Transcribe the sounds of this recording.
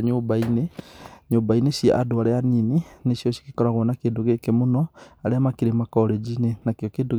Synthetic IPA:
ɲoːbaineɲoːbainesiaʔadoaɾeaninineʃjɔʃi̥kikɔɾaɣwɔnakeːndoɣekemonɔaɾeamakiɾemakɔɾed͡ʒinenakjɔkeːnduɣ

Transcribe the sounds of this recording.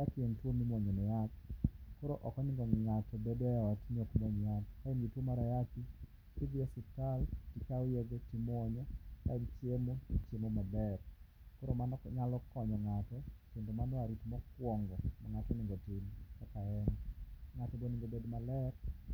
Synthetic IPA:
akentwomimwoɲonɛjatkoɾoʔɔkɔnɪŋɡɔŋatɔbedɔɔtɲokmoɲjat̪kaɛnɡitwomaɾajaki | tidiasɪtaltikaojeɡotimɔɲɔka̰int͡ʃjemoit͡ʃemomabɛɾkoɾomanɲalɔkɔɲɔŋatɔtjendomanaɾitmɔkwɔŋɡɔmaŋatɔnɪŋɡɔtɪmkakaɛnɔŋatɔbonɪŋɡobedmalɛɾ

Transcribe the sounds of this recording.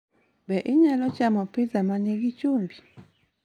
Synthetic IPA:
bɛʔɪɲɛlɔt͡ʃamɔpɪzamaneɡit͡ʃombi

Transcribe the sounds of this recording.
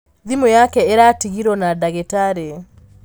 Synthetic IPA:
ðimɔjakɛeɾatiɣiɾɔnadaɣetaɾe

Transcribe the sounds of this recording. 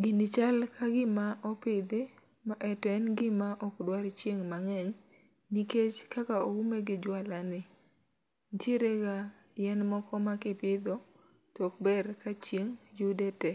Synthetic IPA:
ɡɪnɪt͡ʃalkʰaɡɪmaʔɔpɪd̪ɪ | maʔɛtɔɛnɡɪmaʔɔkdwaɾt͡ʃjeŋmaŋɛɲ | niket͡ʃkakaoumeɡɪd͡ʒwalanɪ | ntʰjeɾeɡa | jɛnmɔkɔmakɪpɪd̪ɔ | tɔkbɛɾkat͡ʃjeŋjʊdɛtɛ

